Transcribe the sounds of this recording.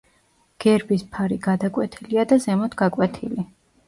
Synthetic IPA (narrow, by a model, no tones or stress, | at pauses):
ɡ̥ɛɾbispʰaɾiɡad̪akʼwɛt̪ʰiliad̪azɛmɔt̪ʰɡ̥akʼwɛt̪ʰili